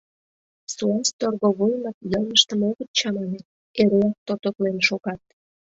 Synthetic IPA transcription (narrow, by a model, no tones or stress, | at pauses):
suɑst̪orɣoβulmɑk̪jəlˠməʃt̪əmoɣət̪̚t͡ɕɑmɑnet̪̚ | eɾeɑk̚t̪ot̪oklenʃoɣɑt̪̚